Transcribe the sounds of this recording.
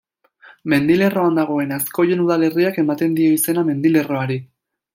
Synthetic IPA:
me̞nd̪ile̞ro̞and̪aɣ̞o̞e̞nasko̞je̞nuð̞ale̞riake̞mat̪e̞nd̪io̞ise̞name̞nd̪ile̞ro̞aɾi

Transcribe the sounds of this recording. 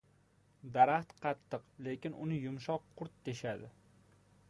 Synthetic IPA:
d̪aɾaχt̪qʰɑt̪ʰːɨqle̞kʲɪnʊnɪjʊmʃɒqʰːʊɾt̪ːeʃad̪ɪ

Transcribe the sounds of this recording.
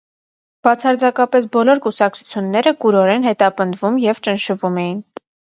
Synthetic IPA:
b̥ɑt͡sʰɑɾd͡zɑkɑpɛs̬bɔlɔɾkusɑk̚t͡sʰu̥t͡sʰjunːɛɾəkuɾɔɾɛnɦɛt̪ɑpənd̪vumjɛvt͡ʃənʃəvumɛjin

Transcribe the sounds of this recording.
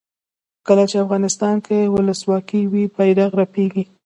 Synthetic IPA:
kəlat͡ʃeafɣɑnɪst̪ɑnkʰewʊləswɑkiwibajɾaɣɾapeɡi

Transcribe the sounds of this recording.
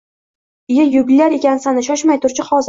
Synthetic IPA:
ɪjajʊbɪlːaɾe̞kʲansanɪʃɒʃmajt̪ʰʊɾt͡ʃʰɪχɒz

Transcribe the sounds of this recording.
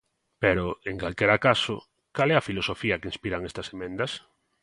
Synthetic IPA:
peɾoeŋkalkɛɾakaso̰ | kalɛɐfilosofiɐkɪinspiɾaŋɛst̪ɐsemẽnd̪ɐs

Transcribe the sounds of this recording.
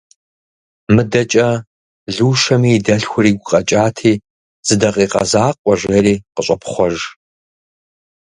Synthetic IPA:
mɨdɐt͡ʃʼɐ | ɮuːʃɐmiːdɐɬxʷʊriːɡʷʊqʼɐt͡ʃʼaːtʰiː | z̥ɨdɐqʼiːqɐ̰zaːqʷʼɔʒʷɐɾiːqəɕʷʼɐpχʷɔʒ

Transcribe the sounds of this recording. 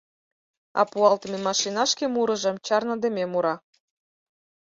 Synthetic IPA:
ɑ̰puɑlt̪əmʲemɑʃinɑʃkʲemuɾɤ̆ʒɤ̆mt͡ɕɑrnɤ̆d̪emʲemuɾɑ

